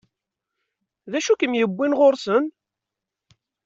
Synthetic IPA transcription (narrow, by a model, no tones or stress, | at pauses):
ðæʃukəmjəbːinʁoɾsən